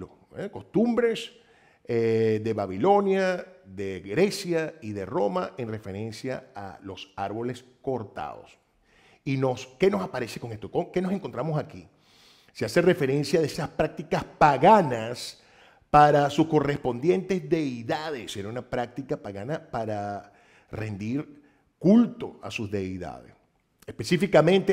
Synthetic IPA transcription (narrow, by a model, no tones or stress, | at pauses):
o | eko̞st̪umbɾe̞s | eðe̞βaβilo̞njaðe̞ɣɾe̞sjaiðe̞ro̞maʔenre̞fe̞ɾe̞nsjaa̰lo̞saɾβo̞le̞sko̞ɾt̪a̰ðo̰s | ino̞ske̞no̞sapaɾe̞se̞ko̞ŋe̞st̪okoke̞no̞se̞ŋkont̪ɾamosaki | seasere̞fe̞ɾe̞nsjaðesaspɾak̚t̪ikaspaɣanas | paɾasusko̞re̞spo̞nd̪je̞nt̪e̞zðe̞iðaðeseɾaunapɾak̚t̪ikapaɣanapaɾa | re̞nd̪iɾ | kult̪o̞a̰suzðe̞iða̰ðḛs | espe̞sifikamẽ̞nt̪e